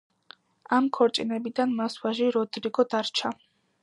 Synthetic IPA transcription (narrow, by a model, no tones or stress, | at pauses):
amkʰɔɾt͡ʃʼinɛbid̪anmaswaʒiɾɔd̪ɾiɡɔd̪aɾt͡ʃʰa